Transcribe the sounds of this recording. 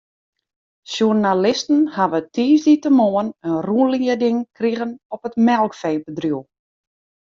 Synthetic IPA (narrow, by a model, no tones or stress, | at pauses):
sjurnalɪstən̩haʋətʰiːzditəmoənənruənliədɪŋkriɣənɔpətmɛlˠkfeːpədrjuwˠ